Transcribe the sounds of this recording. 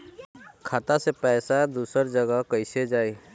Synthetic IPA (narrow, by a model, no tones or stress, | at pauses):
kʰaːt̪asepɛːsad̪uːsəɾd͡ʒəɡəkəɪsed͡ʒaːe